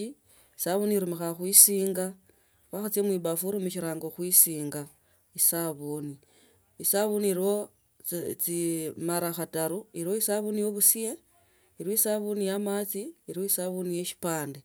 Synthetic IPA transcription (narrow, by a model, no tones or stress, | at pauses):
i | isaβuniɾumixaxwisiːŋɡa | waxat͡siemwiβafuɾumuʃ̬iɾaːŋɡoxwisiːŋɡa | isaβoni | isaβuniɾiwo | t͡simaɾaxataɾuiɾiwoisaβunijoβusije | iɾwoisaβunijamat͡siiɾiwoisaβunijeʃi̥paːnde